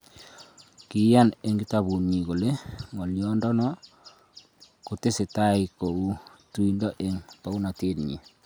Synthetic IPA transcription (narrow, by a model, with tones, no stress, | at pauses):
ki˨˦ja˦ne˨ŋɡi˦taβu˨nɲi˨ɣo˨le˦ŋo˨ljɔ˦ndɔ˦nɔ˦ | ko˨te˦se˨ta˦i˨ko˨u˦tu˦i˨ndɔ˦ʔe˨ŋpa˨˦u˦na˨te˦dɲḭ˨